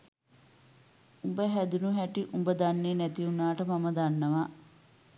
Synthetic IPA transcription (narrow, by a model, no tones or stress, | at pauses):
umbəɦæd̪unuɦæʈiʔumbəd̪anːeːnæt̪iunaːʈəmaməd̪anːəʋa